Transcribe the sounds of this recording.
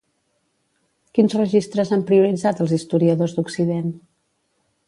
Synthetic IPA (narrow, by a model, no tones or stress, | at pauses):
kinzrəʒist̪ɾəzampɾiuɾid͡zat̪əlˠzist̪uɾiəðozd̪uksiðen